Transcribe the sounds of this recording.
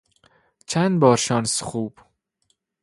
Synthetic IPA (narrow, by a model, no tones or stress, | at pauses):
t͡ʃʰænd̪bɒːɾʃɒnsxuːb̥